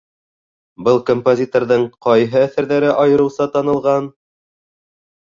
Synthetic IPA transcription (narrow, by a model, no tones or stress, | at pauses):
bɤlˠkompozʲit̪orðɤɴqɑjɦɤæθæɾðæɾɘʔɑjɤ̆ɾɤ̆wsɑt̪ɑnɤ̆lˠʁɑn